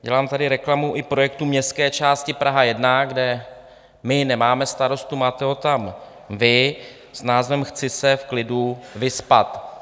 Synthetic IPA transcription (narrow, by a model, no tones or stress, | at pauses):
ɟɛlaːmt̪adɪɾɛklamuʔɪpɾo̞jɛk̚t̪umɲɛst̪kɛːt͡ʃaːscɪpɾʔaɦajɛdnaɡdɛ | mɪnɛmaːmɛst̪aɾo̞st̪umaːt̪ɛɦo̞t̪am | vɪ | snaːzvɛmxt͡sɪsɛfklɪduvɪspa̰t̪